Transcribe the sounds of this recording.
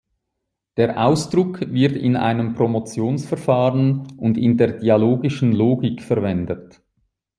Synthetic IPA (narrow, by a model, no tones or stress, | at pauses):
d̥eːɐʔa̰ʊsd̥ʁʊkʰvɪɐtɪ̰na̰ɪnəmpʁ̥omot͡sjoːnsfɛɐfaːʁənʊndɪ̰ndeːɐd̥ialoːɡɪʃn̩loːɡɪkfɛʁvɛndət